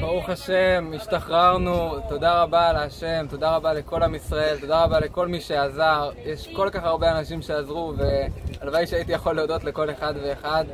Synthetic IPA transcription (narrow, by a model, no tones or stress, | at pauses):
b̥aʁuχaʃe̞miʃt̪aχʁaʁnut̪o̞d̪aʁabalaʃe̞mt̪o̞d̪aʁabale̞ko̞lamisʁae̞lt̪o̞d̪aʁabale̞ko̞lmiʃe̞azaʁjeʃko̞lkaχaʁbe̞anaʃimʃeazʁuve̞alvaiʃeait̪ijaχo̞lːeod̪o̞t̪le̞ko̞le̞χad̪ve̞ːχad̪